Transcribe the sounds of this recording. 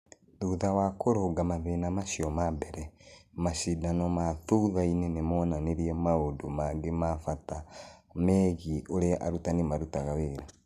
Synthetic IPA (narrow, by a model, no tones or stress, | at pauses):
ðuðawakoɾoɡamaðenamaʃiomabeɾɛmaʃidanomaθuðainenemonaneɾiɛmaodomaŋɡemafatamɛɣioɾeʔa̰ɾutanemaɾutaɣaweɾa